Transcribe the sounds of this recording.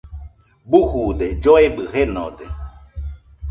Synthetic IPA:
buhud̪ed͡ʒoebɨhenod̪e

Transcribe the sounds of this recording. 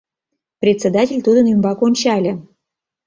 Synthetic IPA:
prʲet̪ʲt͡sʲed̪atʲelʲt̪ud̪ənymbɑkonʲt͡ɕɑlʲĕ

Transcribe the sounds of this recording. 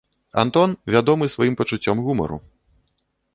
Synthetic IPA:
a̰nt̪ɔnvʲad̪ɔmɨsvajimpɐt͡ʂut͡sʲːɔmɣumɐ̰ɾṵ

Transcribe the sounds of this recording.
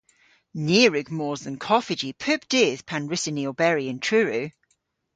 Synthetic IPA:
niːɹʉɡmɔːzə̃nkʰɔfɪd͡ʒipʰʉpd̥ɪːð̥pʰãnɹɪsɪniəlbɛɹiə̃ntʰɹ̥ʉːɹʉ

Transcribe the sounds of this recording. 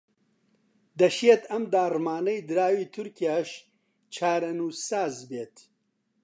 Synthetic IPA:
d̪ɐʃet̪ɐmd̪aːrmaːnɐjd̪ɨɾaːwiːt̪ʰʊɾkʰijaːʃ | t͡ʃʰaːɾɐnuːsaːzbeːt̪

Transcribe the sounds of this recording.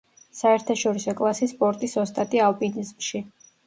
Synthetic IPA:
saɛɾt̪ʰaʃɔɾisɔkʼlˠasispʼɔɾt̪ʼisɔst̪ʼat̪ʼialˠpʼinizmʃi

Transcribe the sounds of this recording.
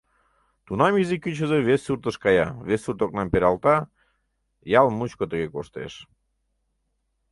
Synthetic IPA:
t̪unɑmizikːyt͡ɕəzeβesurt̪əʃkɑjɑ̰βesurt̪ok̚nɑmpeɾɑlt̪ɑ | jɑlmut͡ɕkot̪əɣekoʃt̪ḛʃ

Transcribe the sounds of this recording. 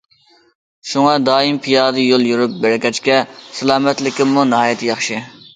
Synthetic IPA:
ʃuŋɑd̪ɑːimpʰijɑːd̪ɨjolˠjuɾup̚bæɾɪkʲɛt͡ʃkʲɛsɪlˠɑːmɛt̪lɪkʲɪmːunɪɦɑːjɛt̪ʰjɑχʃɨ

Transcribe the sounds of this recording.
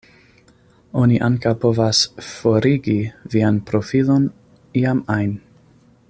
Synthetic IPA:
o̞niʔaŋkawpo̞vasfo̞ɾiɡivianpɾo̞filo̞n | iamajn

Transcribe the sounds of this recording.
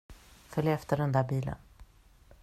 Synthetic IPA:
fœljaɛft̪əɖɛnd̪æːbiːlə̰n

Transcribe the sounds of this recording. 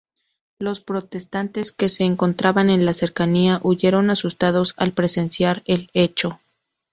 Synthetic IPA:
lo̞spɾo̞t̪e̞st̪ant̪e̞ske̞se̞ːŋko̞nt̪ɾaβane̞nlase̞ɾkaniaʔuʝe̞ɾo̞nasust̪að̞o̞sa̰lpɾe̞se̞nsjaɾe̞le̞t͡ʃo̞

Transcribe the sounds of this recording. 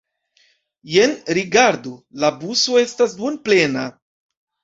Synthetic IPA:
jenɾiɡaɾdulabuso̞e̞stasbunple̞na

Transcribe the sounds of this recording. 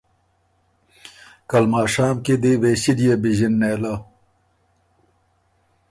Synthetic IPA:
kɐlmaːʂaːmked̪eweɕiɖijɐbiʑinːeːlɐ

